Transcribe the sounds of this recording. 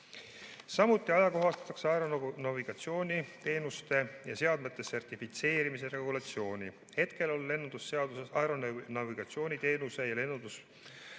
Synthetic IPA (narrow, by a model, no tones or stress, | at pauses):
sɑmut̪ːˑiɑjɑko̞ɦɑst̪ɑ̥t̪ːˑɑkseɑeɾonɑviɡ̥ɑt̪sio̞ːnʲit̪e̞ːnust̪e̞jɑ̰se̞ɑd̪met̪ːˑe̞se̞rt̪ifit̪se̞ːɾimis̬eɾe̞eɡulɑt̪sio̞ːnʲi | he̞t̪ke̞lo̞lːe̞nːund̪̥usːeɑd̪usesɑeɾo̞nɑviɡ̥ɑt̪sio̞ːnʲit̪e̞ːnuse̞jɑle̞nːund̪us